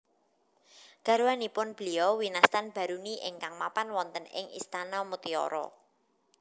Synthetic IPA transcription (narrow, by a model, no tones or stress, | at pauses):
ɡ̥a̤ɾuwanipʊnb̥əliɔwinast̪anb̥a̤ɾuniʔɪ̰ŋkaŋmapanwɔnt̪ənɪ̰ŋḭst̪anɔmut̪iɔ̰ɾɔ̰